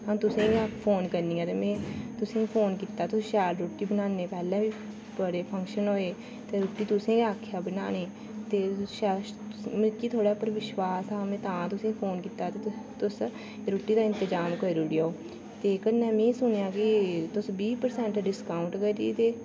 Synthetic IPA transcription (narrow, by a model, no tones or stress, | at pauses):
ɦãːt̪ʊsẽːãpʰoːnkəɾniːãːt̪eːmɛ̃ːt̪ʊsĩːpʰoːnkiːt̪aːt̪ʊsːʃɛːlɾoːʈːiːbənãːneːpɛːlɛ̃ːʋiː | pəɾeːpʰəŋkʃənɦoːeː | t̪eːɾoːʈːiːt̪ʊsẽːaːkʰejaːbəna̰ːneː | t̪eːʃɛː | mət͡ʃiːt̪ʰoːɽaːpəɾʋɪʃʋaːsaːmẽːt̪ãːt̪ʊsĩːpʰoːnkit̪aːt̪et̪ʊs | ɾoːʈːiːd̪aːɪ̃nt̪əd͡ʒaːmkəɾoːɖiaoː | t̪eːkənːɛ̃ːmẽːsʊnjãːkɪt̪ʊsbiːpəɾsɛ̃ːɳʈɖɪskaːʊ̃ɳʈkəɾit̪eː